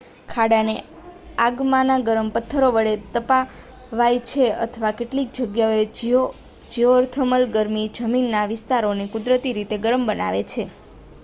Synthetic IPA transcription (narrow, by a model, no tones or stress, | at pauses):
kʰaɽane | aɡmanaɡəɾəmpət̪ʰːəɾoʋəɭet̪əpa | ʋajt͡ʃʰeə̰t̪ʰəʋakeʈlik̚d͡ʒəɡjaoe | d͡ʒioːɾt̪ʰəməlɡəɾmid͡ʒəminːaʋɪst̪aɾonekʊd̪ɾət̪iɾit̪eɡəɾəmbəna̰ʋet͡ʃʰe